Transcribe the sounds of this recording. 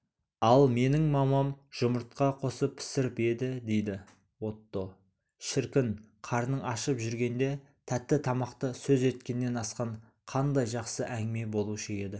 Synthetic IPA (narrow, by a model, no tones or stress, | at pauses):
ɑlˠme̞nɪŋmɑmɑmʒ̥ʊməɾt̪̚qɑqʰo̞səpʰːɪ̥sɪɾɪpe̞d̪ɪd̪e̞jd̪ɪ | wo̞t̪ːo̞ | ʃɪɾkʲɪn | qʰɑɾnəɑʃəpʒʏɾɡʲe̞nd̪e̞ | t̪ʰæt̪ːɪt̪ʰɑmɑqt̪əsɵze̞t̪kʲe̞nːe̞nɑsqɑɴ | qʰɑnd̪ɑjʒɑqsəʔæŋɡɪme̞bo̞lˠuʃəe̞d̪ɪ